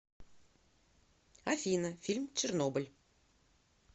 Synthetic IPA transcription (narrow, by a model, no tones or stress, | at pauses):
afʲinəfʲilʲmt͡ʃernobə̆lʲ